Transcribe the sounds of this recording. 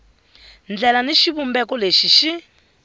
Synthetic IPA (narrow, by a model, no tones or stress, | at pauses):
nd͡ɮɛlaniʃiβumbɛkɔleʃiʃi